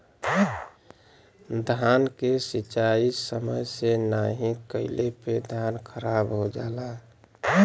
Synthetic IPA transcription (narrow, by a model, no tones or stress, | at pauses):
d̪ʱankesit͡ʃaisəməjsenaɦĩkəɪleped̪ʱankʰəɾabɦod͡ʒaːla